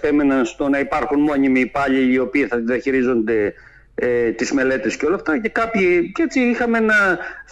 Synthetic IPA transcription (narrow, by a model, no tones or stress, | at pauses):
pe̞menɐnst̪o̞nɐipɐɾxunmo̞ɲimiːpɐʎiːo̞piːθɐt̪iðiɐçiɾizo̞nd̪e̞ | et̪izme̞le̞t̪esceo̞lɐft̪ɐce̞kɐpçiet͡siixɐmenɐ